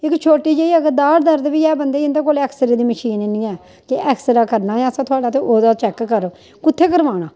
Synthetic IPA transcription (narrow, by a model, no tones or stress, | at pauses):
ɪkt͡ʃʰoːʈiːd͡ʒeːiːəɡəd̪aːɽd̪əɾd̪ʋiːɛːbənd̪eːɪnd̪eːkoːlɛːksəɾeːd̪iːməʃiːnnĩːɛː | kɪʔɛːksɾaːkəɾnaːjãːsãːt̪ʰʊaːɖaːt̪eːʔoːd̪aːt͡ʃɛːkːəɾ | kʊt̪ʰːeːkəɾʋaːnãː